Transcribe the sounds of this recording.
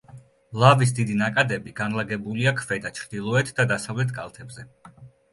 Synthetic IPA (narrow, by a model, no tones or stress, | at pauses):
lˠavis̬d̪id̪inakʼad̪ɛbiɡanlˠaɡɛbuliakʰvɛd̪at͡ʃʰɾd̪ilˠɔɛt̪ʰd̪ad̪asavlɛt̪ʰkʼa̰lˠt̪ʰɛbzɛ